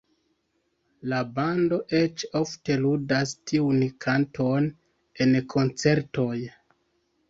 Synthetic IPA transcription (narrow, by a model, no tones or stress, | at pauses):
labando̞ʔe̞t͡ʃo̞fte̞ludastʰiunkʰantʰo̞n | e̞nkʰo̞nt͡se̞ɾto̞j